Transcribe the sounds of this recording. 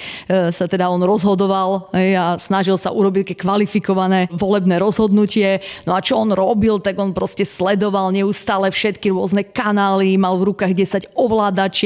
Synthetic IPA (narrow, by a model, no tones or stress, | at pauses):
sat̪ɛd̪aɔnɾɔzɦɔd̪ɔʋalɦɛjasnaʒilˠsaʔuɾɔbict̪akɛkʋalifikɔʋanɛːʋɔlɛbnɛːɾɔzɦɔd̪nucɪɛnɔat͡ʃɔɔnɾɔbilt̪aɡɔnpɾɔscɛslɛd̪ɔʋalɲɛust̪aːlɛfʃɛt̪kiɾʊɔznɛkanaːlimalvɾukaːɣɟɛsaɟɔʋlaːd̪at͡ʃ